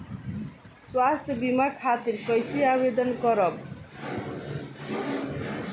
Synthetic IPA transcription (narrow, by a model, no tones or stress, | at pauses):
swast̪ʰjʌbimakʰat̪irkʌjsiabed̪ʌnkʌɾʌb